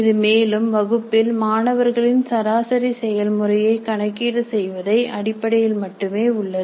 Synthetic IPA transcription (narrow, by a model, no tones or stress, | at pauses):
ɪðɯmeːlɯmʋɐɣɯpːɪlmaːnɐʋɐɾɣɐɭɪnsɐɾaːsɐɾisɛjɐlmɯrɐjɐɪkɐɳɐkːiːɽɯsɛjʋɐðɐɪʔɐɽɪpːɐɽɐjɪlmɐʈːɯmeːʊɭːɐɯ